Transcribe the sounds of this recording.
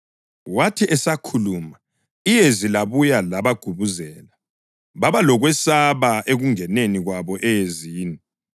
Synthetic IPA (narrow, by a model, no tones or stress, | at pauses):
watʰiʔɛsakʰuluma | ijezilaβujalaβaɡ̥ʱuβuzɛːla | βaβalɔɣwɛsaβaʔeɣuŋɛneniɣwaβɔʔɛjeziːni